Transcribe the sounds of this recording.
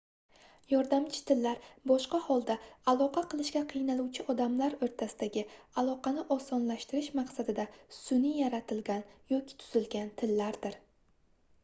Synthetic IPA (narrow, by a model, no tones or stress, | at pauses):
jɒɾd̪amt͡ʃʰɪ̥t̪ʰɪlːaɾbɒʃqɑhɒlˠd̪aalˠɒqʰɑqʰɨlˠɪʃɡʲaqʰɨjnalˠuwt͡ʃʰɪʔɒd̪amlaɾoɾt̪ʰasɪd̪aɡʲɪalˠɒqʰɑnɪʔɒsɒnlaʃt̪ɪɾɪʃmaqsad̪ɪd̪asʊnijaɾat̪ʰɪlɡʲanjɒkʲɪ̥t̪ʰʊ̥z̥ɪlɡʲant̪ʰɪlːaɾd̪ɪɾ